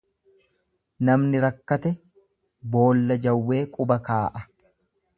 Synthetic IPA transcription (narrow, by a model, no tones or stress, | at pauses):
nɐmnɪɾɐkːɐt̪ɛ | bo̞ːlːɐd͡ʒɐwːe̞ːkʼʊbɐkaːʔɐ